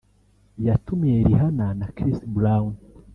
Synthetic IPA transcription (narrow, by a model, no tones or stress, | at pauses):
jatumeeɾiɦananakɾistbuɾawun